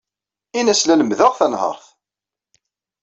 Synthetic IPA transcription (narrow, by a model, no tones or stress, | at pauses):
inæslæləmðəʁθænhə̰ɾˤθ